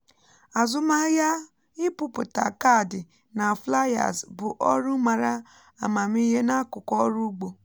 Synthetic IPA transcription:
a˨zʊ˦ma˦ja˦ | ɪ˦pʊ˦pʊ˨ta̰˨ka˦˨dɪ˨ | na˨fla˦ja̰˨zbʊ˨ʔɔ˦ɾʊ˦ma˨ɾa˦ | a˨ma˨mi˦ɦe˦na˦kʊ˨kɔ˦ɾu˦ɡ͡bo˨

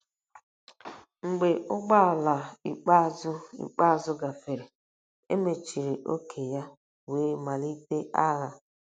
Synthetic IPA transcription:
ŋ̩˨ɡ͡be˨ʊ˦ɡ͡ba˦˨la˨ḭ˨k͡pa˦zʊ˦ḭ˨k͡pa˦˨zʊ˦ɡa˨fe˨ɾe˨ | ḛ˦me˨t͡ʃi˨ɾi˨ʔo˦kʰe˨ja˦ | weː˦ma˨li˦te˦ʔa˦ɣa˦

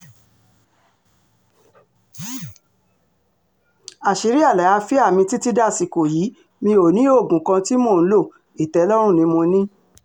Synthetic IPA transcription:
a˨ʃe˨˦ɾi˦a˦˨la˨a˧fi˦a˦˨mĩ˧ti˦ti˦da˦˨si˨ko˨ji˨˦ | mĩ˧o˨nĩ˨˦o˦˨ɡũ˨kã˧ti˦mõ˦˨ñ̩˦lo˦˨ | i˨tɛ˨˦lɔ˦ɾ̃ũ˦˨nĩ˧˦mõ˧nĩ˦

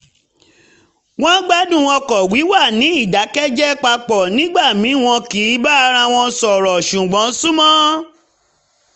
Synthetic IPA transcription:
w̃ɔ̃˦ɡ͡ba˦dũ˦˨w̃ɔ̃˧kɔ˨wi˨˦wa˦˨nĩ˨˦i˦˨da˨˦kɛ˦d͡ʒɛ˦k͡pa˧k͡pɔ˨nĩ˨˦ɡ͡ba˦˨mĩ˨˦w̃ɔ̃˧ki˨˦ba˦a˧ɾã˧w̃ɔ̃˧˦sɔ˨ɾɔ˨ʃũ˨ɡ͡bɔ̃˨˦sũ˦mɔ̃˦

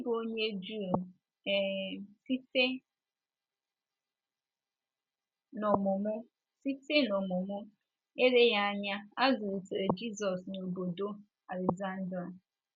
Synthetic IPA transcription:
bo˦ɲe˦d͡ʒu˦˨ | si˦te˦ | nɔ˨mʊ˨mʊ˦ | si˦te˦nɔ˨mʊ˨mʊ˦ | e˦ɾe˦ja˦a˦ɲa˦a˦zʊ˨u˨te˨ɾe˨d͡ʒi˦zɔ˨sno˨bo˨do˦ | a˨le˨ɡza˦n̩˦dɾa˨

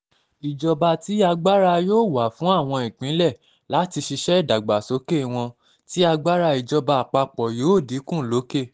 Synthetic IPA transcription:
i˨d͡ʒɔ˧ba˧ti˨˦a˧ɡ͡ba˦ɾa˧joː˦˨wa˨˦fũ˨˦a˦˨w̃ɔ̃˧ĩ˨k͡pĩ˨˦lɛ˦˨ | la˨˦ti˧ʃi˧ʃɛ˦i˦˨da˨ɡ͡ba˨so˨˦ke˦˨w̃ɔ̃˧ | ti˦a˧ɡ͡ba˦ɾa˧i˨d͡ʒɔ˧ba˧˨k͡pa˧k͡pɔ˨jo˨˦˨di˨˦kũ˦˨lo˨˦ke˦˨

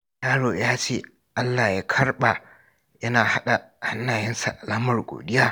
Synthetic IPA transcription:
jaː˦ɽoː˨jaː˦t͡ʃeː˦˨ | ʔa˦lːa˨jaː˦kʰɐ˦rɓa˨ | jɐ˦naː˨ha˦ɗa˨ha˦nːaː˨jɛ˦nsa̰˨ʔa˨lha˦mɐ˨rɡʷo̰ː˨ɗɪ˦jaː˦

